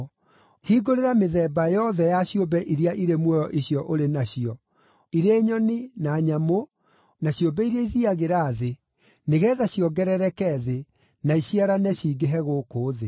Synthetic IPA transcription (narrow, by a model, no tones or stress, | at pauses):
hiɡoɾeɾameðɛːbajɔðɛjaɕjombɛʔiɾiaʔiɾemwɔjɔʔiɕiɔʔoɾenaɕiɔ | iɾeːɲɔninaɲamo | naɕjombɛiɾaiðiaɣeɾaːðe | neɣɛðaɕjɔɡɛɾɛɾɛkɛðe | naiɕiaɾanɛɕiːɡeɦɛɣoːkoːðe